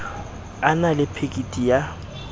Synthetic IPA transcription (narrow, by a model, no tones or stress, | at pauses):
analɪpʰekʼitʼija